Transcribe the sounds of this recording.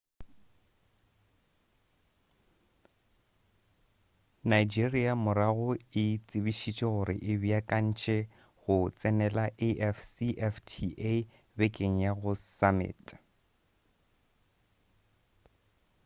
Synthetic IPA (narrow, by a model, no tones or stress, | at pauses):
naid͡ʒiriamʊɾaɣʊɪt͡sʼɪbiʃit͡ʃʼɔɣʊɾɪ̰ʔɪbiakʼan̩t͡ʃʼɛ | ɣʊt͡sʼɛnɛlaʔeʔɛfsiʔɛftʰiʔe | bɛkʼeŋ̩jaɣʊsamɪ̰ːtʼ